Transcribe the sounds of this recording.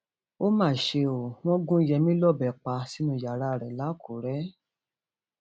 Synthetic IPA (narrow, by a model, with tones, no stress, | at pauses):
o˦mãː˦˨ʃe˧o˨w̃ɔ̃˦ɡũ˦i˦jɛ˧mĩ˦lɔ˦˨bɛ˨k͡pa˧si˦nũ˦˨ja˨ɾa˧˦˨ɾɛ˨la˨˦˨kʰo˨ɾɛ˨˦